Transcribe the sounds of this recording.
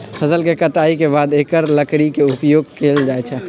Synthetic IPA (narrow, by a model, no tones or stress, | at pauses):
fʰɐzəlkekɐʈaːikebaːd̪eːkəɾlɐkɽikeʊpjoːɡ̚kʰeːld͡ʒaːet͡ʃʰɛː